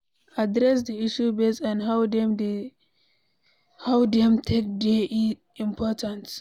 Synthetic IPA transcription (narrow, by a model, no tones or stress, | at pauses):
adɾɛs̬d̪iiʃubesãnhawdɛmd | hawdɛmtʰek̚deʔi | ĩmpʰɔtʰãns